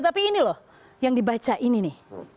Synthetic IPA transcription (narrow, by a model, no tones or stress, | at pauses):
t̪apiːnilɔh | jaŋdibat͡ʃaʔininɪh